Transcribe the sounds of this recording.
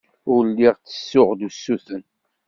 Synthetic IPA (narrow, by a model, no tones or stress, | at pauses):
ʊɾlːiʁt͡sːə̥sːʊʁd̪usːuθən